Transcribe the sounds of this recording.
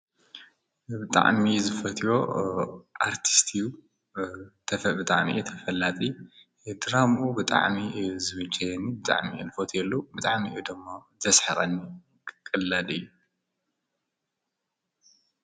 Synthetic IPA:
bɨt̪ʼa̰ʕmizɨfɐt̪ʰijo̞ | ʔaɾt̪ʰi̥st̪ʰiu | t̪ʰɐbɨt̪ʼa̰ʕmḭʔut̪ʰɐfɐlːat̪ʼi | d̪ɨɾamʔubɨt̪ʼa̰ʕmizɨβɨt͡ʃɐjɛnibɨt̪ʼa̰ʕmḭṵnɨfot̪ʰjɛlːubɨt̪ʼaʕmiʔud̪ɨmːozɐsħɐχʼɐnːi | kʼɨlːalɨjːu

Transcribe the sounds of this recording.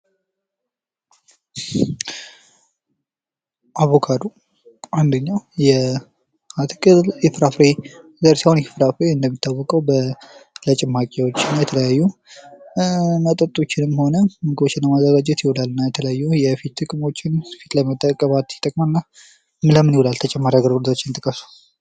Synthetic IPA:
ʔaβo̞kʰad̪u | ʔand̪əɲːawjɛ | at̪ʰkʼɨlɪfɾafɾe | zəɾsawnɪfɾafɾeɨnd̪əmːit̪ʰːawːɔkʼəwbələt͡ʃʼɪmːakʼewo̞t͡ʃːɪnːajɛt̪ʰələjajːu | mət̪ʼət̪ʼːo̞t͡ʃːɪnɨmho̞nəməɡɨbo̞t͡ʃːɪnləmazːəɡad͡ʒɛt̪jɪhulalːɨnːajɛt̪ʰələjajːujɛfit̪ːɨkʼɨmo̞t͡ʃːɪnfit̪ləmət̪ʼːəkʼəβat̪jɪt̪ʼəkʼmanːa | mɨləmːɨnjwulalt̪ʰət͡ʃʼɛmːaɾjaɡəɾud̪ot͡ʃːɪnt̪ʼɨkʼːəsu̥

